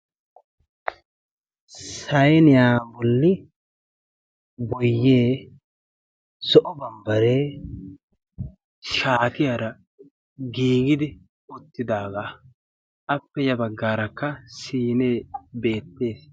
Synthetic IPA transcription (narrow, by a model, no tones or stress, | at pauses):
sɐjnɪjaːbɔlːɪ | bɔjːe̞ː | sɔʔɔbɐmbɐɾeː | ʃaːt̪ɪjɐɾɐ | ɡiːɡɪd̪ɪ | ɔt̪ːɪd̪aːɡaː | ʔɐpːɛjɐbɐɡːaːɾɐkːɐsiːneːbe̞ːt̪ːe̞ːs